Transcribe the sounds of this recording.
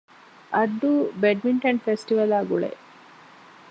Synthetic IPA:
ʔɐd̪ːubeɖmiɳʈɐɳɖfesʈiʋɐlaːɡuɭḛʔ

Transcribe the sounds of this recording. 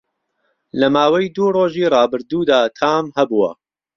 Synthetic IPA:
lɐmaːwɐjd̪uːroːʒiːrˤɑːbɨɾd̪uːd̪aːt̪ʰaːmhɐbuwɐ̰

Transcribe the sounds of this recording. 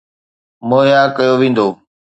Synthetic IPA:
moːɦjakɐjoʋẽːn̆d̪oː

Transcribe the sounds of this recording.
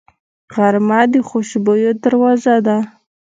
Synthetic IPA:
ɣaɾmɑd̪əxoʃbojod̪aɾwɑzad̪a

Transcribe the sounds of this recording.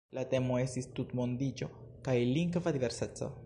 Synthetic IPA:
late̞mo̞e̞stistutmo̞nd̪id͡ʒo̞ | kajliŋɡvad̪ive̞ɾset͡so̞̰

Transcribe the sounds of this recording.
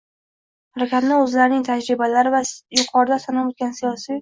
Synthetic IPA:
haɾakʲat̪nɪɵzlaɾɪnɪŋt̪ʰad͡ʒɾɪbalaɾɪvajʊqʰɒɾɪd̪asanɒpot̪ɡʲansijɒsij

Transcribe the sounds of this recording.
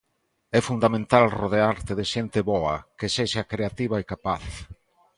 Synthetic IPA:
ɛfund̪amẽnt̪alroðeaɾt̪ɪðɪʃent̪ɪβɔɐkeseʃakɾeat̪iβaekapaθ

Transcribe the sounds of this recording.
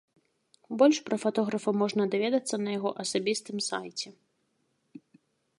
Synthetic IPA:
bɔlʲʂpɾɐfat̪ɔɣɾɐfɐmɔʐnɐd̪avʲɛd̪ɐt̪sːɐnɐjaɣɔʔɐsabʲist̪ɨmsajt͡sʲɛ

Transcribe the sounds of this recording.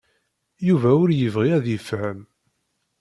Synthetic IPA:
juvæʊɾjəvʁiæðəfhəm

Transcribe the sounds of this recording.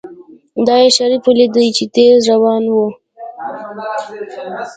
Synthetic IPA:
d̪ɑjeʃaɾipuled̪əjt͡ʃet̪ezɾawɑnwu

